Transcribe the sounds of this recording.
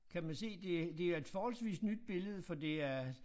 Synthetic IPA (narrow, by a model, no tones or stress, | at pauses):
kʰæmænse̝̰ːd̥e̝d̥e̝æɐe̝d̥fɒːhɒ̽lsʋḭːsnyd̥̚b̥e̝ləð̞ˠəfɒ̽d̥e̝æɐ